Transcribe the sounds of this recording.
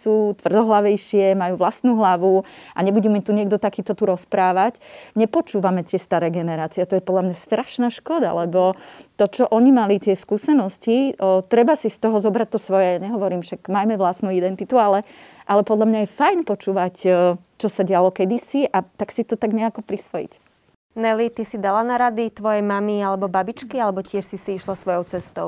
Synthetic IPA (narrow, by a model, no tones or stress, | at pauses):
suːt̪ʋr̩d̪ɔɦlaʋɛjʃɪɛmajuːʋlasnuːɦlaʋuʔaɲɛbuɟɛmɛt̪uɲɪɛɡd̪ɔt̪akiːt̪ɔt̪uɾɔspɾaːʋacɲɛpɔt͡ʃuːʋamɛt̪ɪɛst̪aɾɛːɡɛnɛɾaːt͡siɛt̪ɔjɛpɔd̪lamɲast̪ɾaʃnaːʃkɔd̪a̰lɛbɔt̪ɔt͡ʃɔʔɔɲimalit̪ɪɛskuːsɛnɔscit̪ɾɛbasist̪ɔɦɔzɔbɾac̚t̪ɔsʋɔjɛaɲɛɦɔʋɔɾiːmʃaɡmajmɛʋlasnuːid̪ɛnt̪it̪ualɛʔalɛpɔd̪ʎamɲajɛfajnpɔt͡ʃuːʋacː | t͡ʃɔsaɟalɔkɛd̪isiʔat̪aksit̪ɔt̪aɡɲɛakɔpɾisʋɔjḭc | nɛlit̪isid̪alanaɾad̪it̪ʋɔjɛjmamialɛbɔbabit͡ʃkialɛbɔcɪɛʃsisiiʃlasʋɔjɔʊt͡sɛst̪ɔʊ